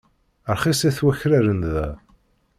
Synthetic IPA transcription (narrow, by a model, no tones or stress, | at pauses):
əɾχisæθwæçɾæɾənðæ